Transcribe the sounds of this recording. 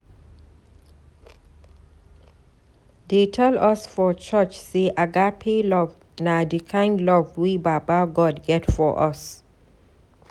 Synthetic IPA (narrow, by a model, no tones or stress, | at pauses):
detʰɛlɔsfɔt͡ʃət͡ʃseʔaɡapʰelɔv | nadikʰãɪ̃ndlɔvwibabaɡɔdɡɛtfɔʔɔ̰s